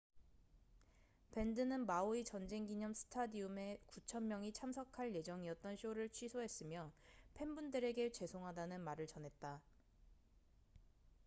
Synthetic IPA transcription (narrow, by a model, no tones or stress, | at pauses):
pe̞ndɯnɯnmaoit͡ɕʌnd͡ʑe̞ŋɡiɲʌmsʰɯ̥tʰadiume̞kut͡ɕʰʌnmjʌŋit͡ɕʰamsʰʌkʰaɭje̞d͡ʑʌŋiʌt̚t͈ʌnɕʰioɾɯɭt͡ɕʰɥisʰoɦe̞s͈ɯmjʌpʰe̞mbundɯɾe̞ɡe̞t͡ɕe̞sʰoŋɦadanɯnmaɾɯɭt͡ɕʌnɦe̞t̚t͈a